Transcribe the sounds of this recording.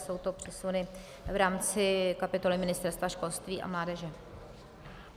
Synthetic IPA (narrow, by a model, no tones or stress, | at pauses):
so̞wt̪o̞pr̝̥ɪsunɪ | vɾaːmt͡sɪkapɪt̪o̞lɪmɪnɪst̪ɛɾst̪vaʃko̞lst̪viːʔa̰mlaːdɛʒɛ